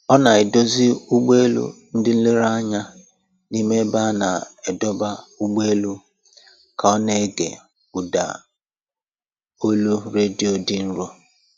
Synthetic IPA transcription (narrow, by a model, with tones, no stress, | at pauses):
ɔ˦na˨e˨do˦zi˦u˦ɡ͡be˦lṵ˦n̩˦dɪ˦n̩˦lɪ˦ɾa˦ɲa˦ | ni˦me˦ba˦na˨e˨dɔ˦ba˦u˦ɡ͡be˦lu˦ | kʰa˨ɔ˦ne˦ɡḛ˨ | u˨da̰˨ | o˦lu˦ɾe˦di˨˦o˨dɪ˦n̩˦ɾo˦